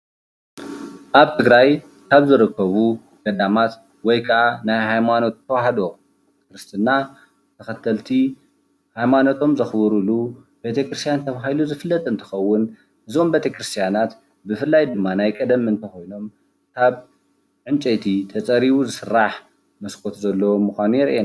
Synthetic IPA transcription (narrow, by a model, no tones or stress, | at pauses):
ʔaβt̪ʰɨɡɾaj | kʰaβzɨɾɨkʰːɐβu | ɡ̥ɐd̪amat̪ | wɔjkʰɐʔanajhajmano̞t̪t̪ʰːɐwaɦɐd̪o | b | ekɾɨst̪ʰɨnːa | t̪ʰɐxɐt̪ʰɐlt̪ʰi | hajmano̞t̪ʰo̞mzɐxbɨɾulu | b̥e̞t̪ʰekɾɨst̪ʰijant̪ʰɐβaɦiluzɨfɨlːɐt̪ʼɨnt̪ʰɨ̥xɐwːʊn | ʔɨzo̞mbe̞t̪ʰekɾɨst̪ʰijanat̪ | bɨfɨlːajd̪ɨmːanajkʼɐd̪ɐmɨnt̪ʰɐxo̞jno̞m | kʰaβ | ʕɨnt͡ʃʼejt̪ʰit̪ʰɐt͡sʼɐɾiβuzɨsɨrːaħ | mɐskʰo̞t̪ʰzɐlːɐwomːuxʷanujɛɾʔena